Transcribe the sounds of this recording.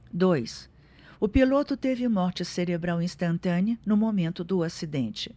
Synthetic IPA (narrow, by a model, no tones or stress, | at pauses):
d̪ojs | ʊpilot̪ʊt̪evɪmɔɾt͡ʃɪseɾebɾawĩst̪ɐ̃nt̪ɐ̃nɪʊnʊmomẽnt̪ʊd̪ʊasid̪ẽnt͡ʃɪ̥